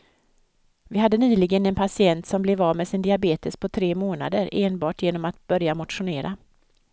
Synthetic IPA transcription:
vɪɦad̪ːənyːlɪɡənɛnpʰasɪɛnt̪sɔmblɛvɑːmɛsɪnd̪ɪabeːt̪əspʰɔt̪ʰɾeːmoːna̰d̪əɾʔeːnbɑːʈjeːnɔmat̪b̥œɾjamʊt̪ɧʊneːɾʔa

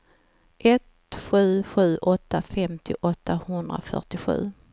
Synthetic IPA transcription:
ʔɛt̪ | ɧʉ̟ːɧʉ̟ːʔɔt̪ʰːafɛmt̪ʰɪ̰ʔɔt̪ʰːahɵnd̪ɾa̰fœ̰ʈɪɧʉ̟̰ː

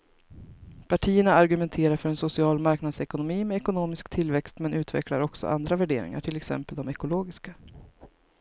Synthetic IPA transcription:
pʰaʈʰiːəɳaːɾɡɵmɛnt̪ʰeːɾaɾfœɾɛnsʊsɪɑːlmaɾknad̪sɛkʊnʊmiːmɛɛkʊnoːmɪskt̪ʰɪlvɛkst̪mɛnʉ̟ːt̪vɛ̰kla̰ɾɔksɔ̰ʔa̰nd̪ɾavæɖḛːɾɪ̰ŋa̰ʈʰɪlɛksɛ̰mpəld̪ɔmɛkʊloːɡɪska

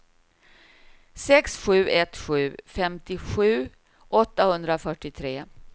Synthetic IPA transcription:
sɛksɧʉ̟ːʔɛt̪ɧʉ̟ːfɛmt̪ɪɧʉ̟ː | ʔɔt̪ːahɵnd̪ɾafœʈːɪt̪ʰɾeː

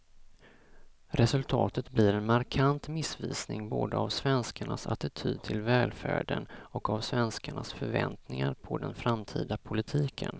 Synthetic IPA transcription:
ɾɛsɵlt̪ʰɑːt̪ət̪blɪɾɛnmaɾkʰant̪mɪsviːsnɪŋboːd̪əavsvɛnskaɳasa̰t̪ɪt̪ʰyːd̪̚t̪ʰɪlvɛːlfæ̰ːɖənɔkavsvɛnskaɳasfœɾvɛnt̪nɪŋaɾpʰɔd̪ɛnfɾamt̪ʰiːd̪apʰʊlɪt̪ʰiːkʰə̰n

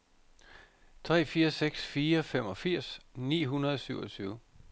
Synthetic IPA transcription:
t͡sʰʁɛ̰ːfiːɐseɡ̥sfiːɐfem̰ɒ̽fiɐ̰snḭːɦunɐð̞ˠɒ̽syʊɒ̽t͡sʰyːʊ

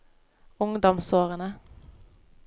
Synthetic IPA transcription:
ʊŋd̪ɔmsoːʁənə

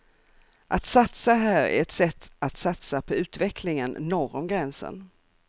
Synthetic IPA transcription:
ʔat̪sat̪saɦæːɾæ̰ɾɛt̪sɛt̪ʰːat̪sat̪sapʰɔʉ̟ːt̪vɛkʰlɪŋənnɔɾɔmɡɾɛnsə̰n

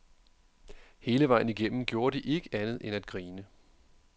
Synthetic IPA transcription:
he̝ːləʋɑ̈ɪ̰n̩iɡ̥em̰m̩ɡ̥jo̝ːɐd̥iʔe̝ɡ̥əʔænð̞̩ˠʔenæd̥̚ɡ̥ʁiːnə

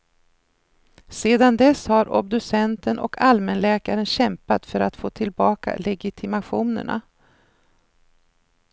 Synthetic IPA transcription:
seːd̪and̪ɛshaɾʔɔ̰b̚d̪ɵsɛnt̪ənʔɔ̰kʰalmɛnlɛːkaɾənɕɛmpat̪fœɾat̪foːt̪ʰɪlbɑːka̰lɛɡɪt̪ʰɪmaɧuːnə̰ɳa̰

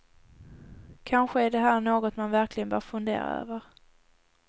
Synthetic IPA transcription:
kʰanɧəæɖɛɦæːɳoːɡɔt̪manvæɾklɪɡənbœːɾfɵnd̪ḛːɾa̰ø̰ːvəɾ

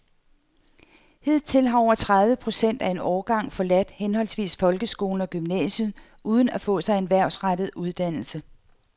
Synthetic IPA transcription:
he̝ð̞̰ˠt͡sʰe̝lɦɑ̈ɒʊ̰ɐt͡sʰʁaðˠʋəpʰʁo̝sen̰d̥æe̝nɒːɡ̥ɑ̈ŋ̰fɒ̽læd̥henɦɒ̽l̰sʋḭːsfɒ̽lɡ̥əsɡ̥o̝ːln̩ɒ̽ɡ̥ymnɛ̰ːɕən̩ˠ | ʔuːð̞ˠn̩æfɔ̰̽ːsɑ̈ɪe̝nʋæɐ̰sʁad̥ð̞̩ˠuð̞ˠd̥æn̰l̩sə

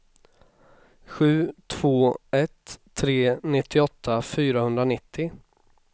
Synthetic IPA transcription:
ɧʉ̟ːt̪ʰv̥oːɛt̪ʰː | ɾeːnɪt̪ʰːɪɔt̪ʰːafyːɾahɵnd̪ɾanɪt̪ʰːɪ

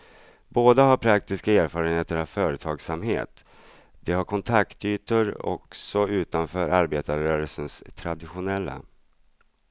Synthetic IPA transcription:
boːd̪aɦaɾpʰɾak̚t̪ɪskaeːɾfɑːɾənheːt̪əɾavfœːɾət̪ʰɑːɡsamhḛːt̪ | d̪̥ɛhaɾkʰɔnt̪ʰakt̪yːt̪əɾɔ̰ksɔʉ̟ːt̪anfœːɾʔaɾbeːt̪aɾœːɾəlsənst̪ʰɾad̪ɪɧʊnɛlːa̰

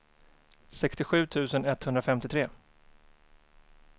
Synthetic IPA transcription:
sɛkst̪ɪɧʉ̟ːt̪ʰʉ̟ːsənɛt̪ːhɵnd̪ɾafɛmt̪ɪt̪ʰɾeː

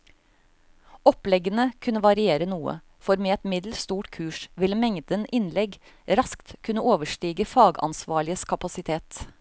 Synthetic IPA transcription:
ɔplɛɡənəkʰʉnəʋɑɾɪeːɾənuːə̰ | fɔɾmeːɛt̪mɪd̪l̩st̪uːʈkʰʉːʂʋɪləmɛŋd̪ənʔɪnlɛɡ | ɾɑskt̪kʰʉnəoːʋəʂʈiːɡəfɑːɡɑ̰nsʋɑːɭɪəskʰɑpɑsɪt̪ʰeːt̪

